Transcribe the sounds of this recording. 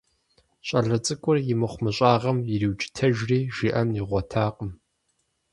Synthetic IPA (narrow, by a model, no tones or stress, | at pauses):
ɕʼɐɮɐt͡sʼɨkʷʼʊrjɪmɨχʷʊmɨɕʼaːʁɐmjɪriwt͡ʃʼɪ̥tʰɐʒriːʒiʔɐmiʁʷɔtʰaːqʼəm